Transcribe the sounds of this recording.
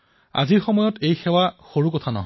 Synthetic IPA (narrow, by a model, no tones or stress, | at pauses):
a̰ziɹxɔmɔjɔtejxɛwaxoɹukɔtʰanɔ̰ɦ